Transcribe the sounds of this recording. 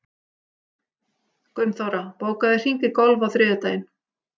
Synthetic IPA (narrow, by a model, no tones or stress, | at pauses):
kœɥmθowɾapoːwkaðɪr̥iŋcɪkɔlvawθɾɪːðʏt̪ajɪn